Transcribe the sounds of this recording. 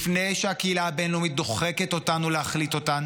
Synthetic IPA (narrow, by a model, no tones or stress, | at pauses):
fnejʃeakeilaabenlumit̚doχeketo̞tanuleaχlit̪o̞tan